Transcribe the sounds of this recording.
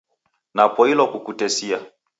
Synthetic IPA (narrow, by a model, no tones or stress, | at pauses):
napɔilɔkukutɛsia